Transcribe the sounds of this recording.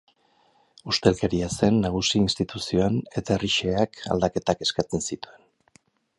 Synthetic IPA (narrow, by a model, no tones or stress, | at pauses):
ust̪e̞lke̞ɾiase̞nːaɣ̞usiinst̪it̪usio̞ane̞t̪aeriʃe̞aka̰ld̪ake̞t̪ake̞skat͡sensit̪ue̞n